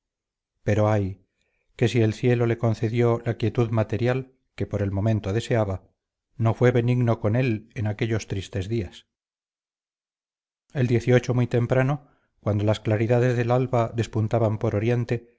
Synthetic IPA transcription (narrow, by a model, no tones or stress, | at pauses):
pe̞ɾo̞aj | ke̞sie̞lθje̞lo̞le̞ko̞nθe̞ðjo̞lakje̞t̪uðmat̪e̞ɾjal | kepo̞ɾe̞lmo̞mẽ̞nt̪oðe̞se̞aβa | no̞fwe̞βe̞niɣno̞ko̞ne̞lenake̞ʎo̞st̪ɾist̪e̞zðias | e̞ld̪je̞θio̞t͡ʃo̞mwijt̪e̞mpɾano̞ | kwand̪olasklaɾiðaðe̞zðe̞lalβaðe̞spunt̪aβampo̞ɾo̞ɾje̞nt̪e̞